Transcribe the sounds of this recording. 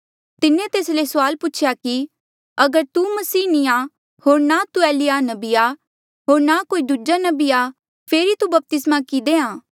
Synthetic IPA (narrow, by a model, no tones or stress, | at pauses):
t̪ɪnẽt̪eːslesʊaːlpʊːt͡ʃʰjaki | ɐɡəɾt̪umɐsiːnia | hoːɾnat̪ueːlɪjanɐbia | ɦoːɾnakoːid̪ʱud͡ʒanɐbija | pʰeːɾit̪ubɐp̚t̪ɪsmakid̪eãː